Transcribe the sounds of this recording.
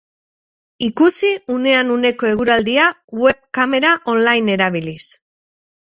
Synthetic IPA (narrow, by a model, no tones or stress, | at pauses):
ikusiune̞anune̞ko̞e̞ɣuɾald̪ia | we̞βkame̞ɾaʔo̞nlajne̞ɾaβ̞ilis